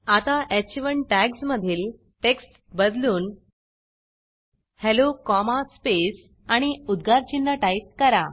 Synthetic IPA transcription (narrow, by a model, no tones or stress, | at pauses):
at̪aʔet͡ɕiʋəɳʈæɡsməd̪ʱiːl | ʈeksʈ | bəd̪luːn | helokɔmaspes | aɽ̃iud̪ɡʱaɾt͡ɕinləʈaip̚kəɾa